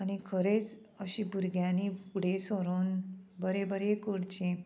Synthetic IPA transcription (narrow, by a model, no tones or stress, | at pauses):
añikʰəɾet͡s | əɕĩbʱuɾɡjãnipuɽ̤esoɾonbəɾebəɾekuɽt͡ɕĩ